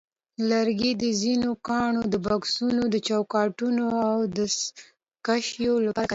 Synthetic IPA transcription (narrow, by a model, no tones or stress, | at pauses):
laɾɡid̪əzinokɑɳod̪əbɑksunod̪ət͡ʃawkɑʈunoawd̪ə | kaʃjolapaɾaka